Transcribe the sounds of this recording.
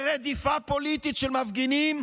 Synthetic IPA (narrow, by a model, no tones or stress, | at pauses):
ʁed̪ifapo̞lit̪it̪ʃelmavɡinim